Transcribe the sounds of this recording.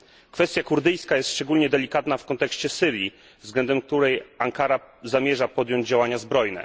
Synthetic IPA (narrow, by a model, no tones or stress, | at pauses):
kfɛst̪ʲjakuɾd̪ɘjskajɛst̪ʂt͡ʂɛɡulɲɛd̪ɛlʲikat̪nafkɔnt̪ɛkɕt͡ɕɛsɘɾji | vzɡlɛnd̪ɛmk̚t̪uɾɛjaŋkaɾazamʲjɛʐapɔd̪jɔɲd͡ʑd͡ʑawaɲazbɾɔjnɛ̰